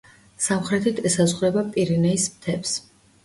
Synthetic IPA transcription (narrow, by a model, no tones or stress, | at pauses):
samχɾɛt̪ʰit̪ʰɛsazʁɾɛbapʼiɾinɛismt̪ʰɛps